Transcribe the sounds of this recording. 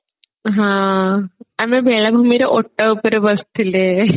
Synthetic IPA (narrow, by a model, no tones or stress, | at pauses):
ɦãː | ɐmːebeɭɐbʱumiɾeʔoʈːɐʋupːoɾuʋɐst̪ilːe